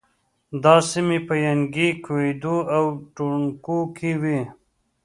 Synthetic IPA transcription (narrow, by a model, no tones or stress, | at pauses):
d̪ɑːsimipəjaŋɡikʰwed̪uawʈuɳkukʰiwi